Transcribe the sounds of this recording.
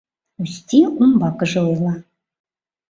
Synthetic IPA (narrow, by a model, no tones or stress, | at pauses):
usʲt̪ʲiumbɑkɤ̆ʒɤ̆ojlˠɑ